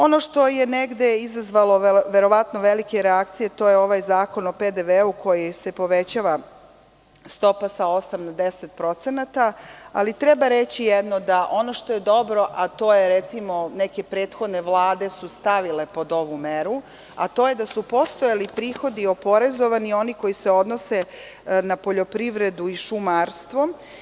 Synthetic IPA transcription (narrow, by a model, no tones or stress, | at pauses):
o̞no̞ʃt̪o̞je̞neɡd̪e̞izazʋalo̞ʋe̞ɾo̞ʋat̪no̞ʋe̞likeɾeakt̪sije̞t̪o̞ːjeo̞ʋajzaːko̞no̞ped̪eʋeuko̞jisepo̞ʋe̞t͡ɕaːʋa | st̪o̞pasao̞samnad̪e̞set̪̚pɾo̞t̪senat̪aalit̪ɾe̞baɾet͡ɕijed̪nod̪aʔo̞noʃt̪o̞je̞d̪o̞bɾo̞ʔat̪o̞ːjeɾet̪simo̞neke̞pɾe̞ːt̪xod̪ne̞ʋlˠaːd̪e̞sust̪aʋile̞po̞d̪o̞ʋumeɾu | a̰t̪o̞ːje̞d̪asupo̞st̪ojalipɾiːxo̞d̪io̞po̞ɾezo̞ʋanio̞niko̞jise̞o̞d̪nose̞ | napo̞ʎo̞pɾiʋɾe̞d̪uiʃumaːɾst̪ʋo̞